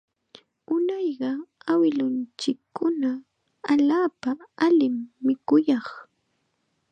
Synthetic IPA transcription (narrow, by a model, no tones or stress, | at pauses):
ʊnɑjɢɑawɪlʊnt͡ʃɪkʰːʊna | aʎaːpaalɪmːɪkʊjɑχ